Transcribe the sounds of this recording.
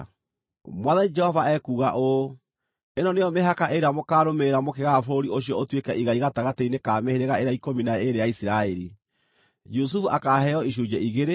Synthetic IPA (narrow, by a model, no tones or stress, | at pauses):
mwaðanid͡ʒɛhɔvaɛkuːɣaʔo | enɔnejɔmeɦakaʔeɾeamokaːɾomeɾamokeɣafoɾioɕijɔotwekɛʔiɣaiɣataɣateinekaːmeheɾeɣaeɾeaikominaeɾejaisiɾaeɾḭ | d͡ʒus̬ufuakaːɦɛɔiɕ̬ud͡ʒɛʔiɣeɾe